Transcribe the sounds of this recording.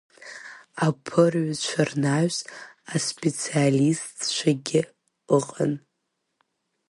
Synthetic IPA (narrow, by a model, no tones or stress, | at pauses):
apʰɨrɥt͡ʃʷʰarnaɥzaspʼet͡sʰialistt͡ʃʷʰaɡʲɪ | əqʼan